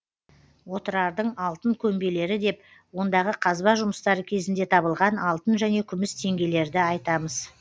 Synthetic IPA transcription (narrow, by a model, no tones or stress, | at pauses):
wo̞t̪əɾɑɾd̪əɴɑlˠt̪əŋkʲʰɵmbe̞le̞ɾɪd̪e̞p | wo̞nd̪ɑʁəqʰɑzbɑʒʊməst̪ɑɾəkʲʰe̞zɪnd̪e̞t̪ʰɑbəlˠʁɑnɑlˠt̪ənʒæne̞kʲʰʏmɪst̪ʰe̞ŋɡʲe̞le̞ɾd̪ɪɑjt̪ɑməz